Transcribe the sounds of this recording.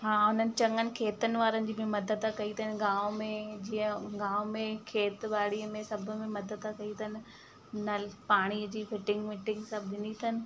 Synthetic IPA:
ɦaːʊn̤ənɪ̆t͡ɕɐ̃ŋɡənɪ̆kʰeːt̪ənɪ̆ʋaːɾənɪ̆d͡ʑiːbɪmɐd̪əd̪akɐit̪ʰɐɪnɪ̆ɡãːʋmẽd͡ʑĩːə̃ɡãːʊmẽkʰeːt̪baːɽiːəmẽsɐbʱʊ̆mẽmɐd̪əd̪ʰakɐit̪ʰɐnɪ̆ | nɐlpaːɽ̃iːəd͡ʑiːfɪʈɪ̃ŋɡmɪʈɪ̃ŋɡsɐbʱɪnit̪ʰɐnɪ̆

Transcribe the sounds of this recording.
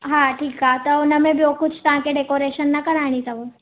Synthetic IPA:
ɦãʈʰiːkɦat̪ɐʊnəmẽbijokʊt͡ʃʰt̪ɐʋ̤ãkeɖekoːɾeːʃənːɐkɐɾaːɽ̃it̪ɐʋo

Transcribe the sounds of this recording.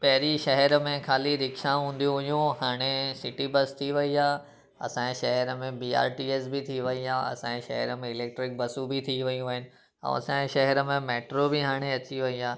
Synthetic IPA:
pɐɦɾiʃɐɦɛɾəmẽkaːliɾɪkʃãɦũːnd̪ijũɦʊjũɦaːɽ̃esɪʈibɐst̪ʰiʋɐiaː | ɐ̰sãːeʃɐɦəɾəmẽbiːa̰ːɾʈiːeːsbɪt̪ʰiʋɐiaːɐ̰sãːẽʃɐɦɛɾəmẽɪleːk̚ʈɾɪk̚bɐsubʱɪt̪ʰiʋɐjũaɦɪnɪ̆ | ɛ̰̃ɐ̰sãẽʃɐɦɛɾəmẽmeːʈɾobɪɦaːɽ̃eɐt͡ɕiʋɐiaː

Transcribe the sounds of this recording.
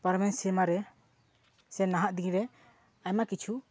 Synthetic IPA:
paɾmɛnsimaɾɛ | sɛnaɦaʔd̪iɡiɾɛ | ajmakit͡ʃʰu

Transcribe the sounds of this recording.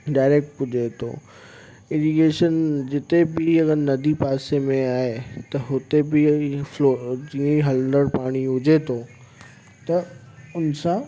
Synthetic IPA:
ɖaːɪɾek̚ʈɦʊd͡ʑet̪ʰo̰ː | ɪnikeːʃənd͡ʑɪt̪ebɪɐɡəɾnɐd̪ʱipaːsemẽaːɦet̪ɐɦʊt̪ebɪflod͡ʑiĩɦɐlə̃nd̪əɽpaːɽ̃iɦʊd͡ʑet̪ʰoː | t̪ɐ | ʊnsã

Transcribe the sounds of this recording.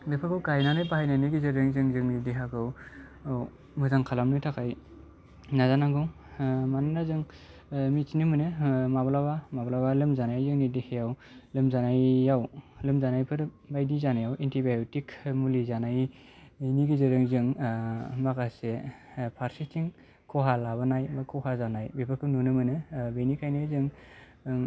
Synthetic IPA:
dɯpʰakɯwkajnanɯjbaɦajnaniɡizɯɾɯŋzɯŋzɯŋnidiɦakɯw | mɯzaŋkʰalamnɯtʰakʰaj | nazanaɡɯw | manɯnazɯŋ | mitnimɯnɯmablabamablabalɯmzanajzɯŋnidihejawlɯmzanajːawlɯmzanajpʰɯɾbajdizanajawintʰibajutikmulizanaj | niɡizɯɾɯŋzɯŋ | makasepʰaɾsitʰiŋ | kʰɔɦalaβɯnajbakʰɔhazanajbepʰɯkʰɯnunɯmɯnɯbenikʰajnizɯŋ

